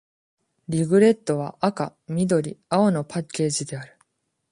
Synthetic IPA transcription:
ɾʲiɡɯ̟ɾe̞t̪ːo̞β̞aʔakamʲid̪o̞ɾʲiao̞no̞pakʲːe̞ːʑid̪e̞aɾɯ̟̥

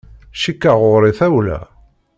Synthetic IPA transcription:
ʃikːaʁʊɾˤiθæwlæ̰

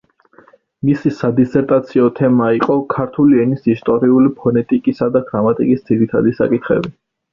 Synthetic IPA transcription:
misisad̪isɛɾt̪ʼat̪sʰiɔt̪ʰɛmaiqʼɔkʰaɾt̪ʰuliɛnisist̪ʼɔɾiulipʰɔnɛt̪ʼikʼisad̪aɡɾamat̪ʼikʼisd̪z̥iɾit̪ʰa̰d̪isa̰kʼit̪ʰχɛ̰bi

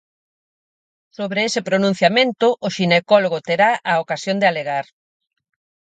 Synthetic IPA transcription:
soβɾeesɪpɾonũn̟θjamẽnt̪ʊʔːʃinekɔloɣot̪eɾaʔaokasjond̪ealeɣaɾ

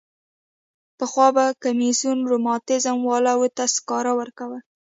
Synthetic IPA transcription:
pəxwɑbakamisjunɾʊmɑt̪ɪzamwɑlawət̪askɑɾawəɾkawə

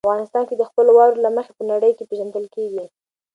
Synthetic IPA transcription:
fɣɑnɪst̪ɑnked̪əxpəlowɑwɾolaməxepənaɽəjkepeʒand̪əlkeɡi

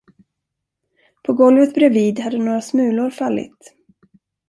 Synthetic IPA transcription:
pʰɔɡɔlvət̪bɾɛviːd̪had̪ːənoːɾasmʉ̟ːlʊɾfalːɪ̰t̪

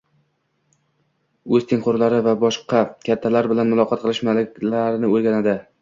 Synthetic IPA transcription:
ɵzt̪ʰeŋqʰoɾlaɾɪvabɒʃqɑkʲʰat̪ʰːalaɾbɪlanmʊlˠɒqʰɑt̪̚qɨlˠɪʃmalɪkʲlaɾnɪoɾɡʲanad̪ɪ

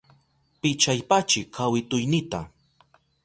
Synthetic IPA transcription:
pɪt͡ʃajpat͡ʃɪkʰawɪt̪ʊjnɪt̪a̰

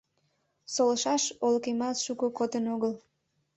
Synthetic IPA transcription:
soləʃɑʃolkemɑsʃukəkot̪ənoɣəl

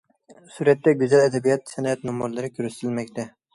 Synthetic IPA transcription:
suɾɛt̪ːɛɡʲyzɛlɛd̪ɛbijɑt̪sɛnɑɛt̪nomɾlˠɨɾɪkʲʰøɾysɪ̥t̪ʰɪlmɛkʲt̪ʰɛ

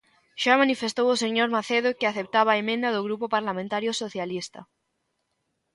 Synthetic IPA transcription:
ʃamanifest̪owoseɲoɾmaθeðokɪaθep̚t̪aβaːemẽnd̪ɐðoɣɾupopaɾlamẽnt̪aɾjosoθjalist̪ɐ

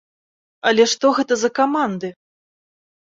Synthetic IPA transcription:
ɐlʲɛʂt̪ɔɣɛt̪ɐzɐkamand̪ɨ

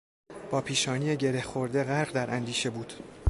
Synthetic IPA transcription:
b̥ɒːpʰiːʃɒːniːeɟe̞ɾehxo̞ɾd̪e̞ɣæɾɢd̪æɾʔænd̪iːʃe̞buːd̪̥

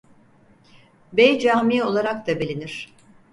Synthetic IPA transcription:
bejd͡ʒaːmiːo̞lˠaɾak̚t̪abelʲiniɾ̥

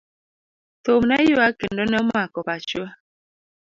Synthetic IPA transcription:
tomnajoakendɔnɛmakɔpat͡ʃua

